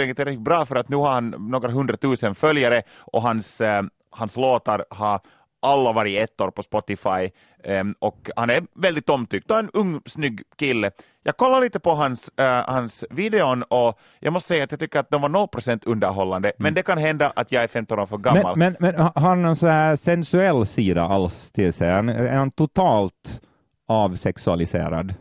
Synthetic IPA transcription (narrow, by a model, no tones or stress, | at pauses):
ɛɡət̪ːɪɾɛkːɪt̪̚bɾɑːfœɾat̪nʉːhaɾhanːoːɡɾaɦɵnd̪ɾat̪ʰʉːsənfœljaɾəʔɔɦans | hansloːt̪aɾhɑ | ʔalːavɑɾɪɛt̪ːoːɾpɔspɔt̪ɪfaj | ɔkhanæɾvɛld̪ɪt̪ɔmːt̪ʰʏkt̪d̪ɔɛnɵŋːsnʏɡːkɪlːə | jʔɑːɡkʰɔlːaɾɭiːt̪əpɔɦanshansviːd̪ɛɔnɔ | jʔɑ̰ɡmɔst̪əsɛjːat̪jɑːɡt̪ʏkːəɾat̪̚d̪ɔmvanɔlpʰɾɔsɛnt̪ʰɵnd̪əɾɦɔlːand̪əmɛnd̪ɛkanɦɛnd̪aʔat̪jɑːɡæɾfɛmt̪ɔnoːɾfœɾɡammːa̰lmɛnmɛnɦaɾnɔnsɔnæːsɛnsʉɛlːsiːd̪a̰ʔalst̪ʰɪlsɛanɛ̰ɾhant̪ʰʊt̪ʰɑːlt̪ | ɑːvsɛksʉa̰lɪsḛːɾa̰d̪